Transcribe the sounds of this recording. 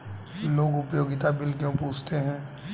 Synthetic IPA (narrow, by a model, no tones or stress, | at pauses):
loːɡʊpjoːɡɪt̪abɪlkjõpuːt͡ʃʰt̪eɦɛ̃ː